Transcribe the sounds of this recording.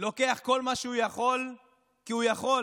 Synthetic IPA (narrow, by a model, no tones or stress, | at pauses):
lo̞ke̞aχko̞lmaʃeujaχo̞l | kiujaχo̞